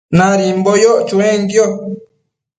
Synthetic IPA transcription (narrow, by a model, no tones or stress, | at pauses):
naɾimbɔjɔt͡ʃuɾɛŋɡjɔ